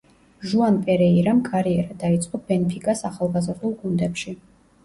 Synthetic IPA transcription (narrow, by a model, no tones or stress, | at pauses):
ʒuanpʼɛɾɛiɾamkʼaɾiɛɾad̪ait̪sʼqʼɔbɛnɛpʰikʼasaχalˠɡazɾd̪ulˠɡund̪ɛpʃi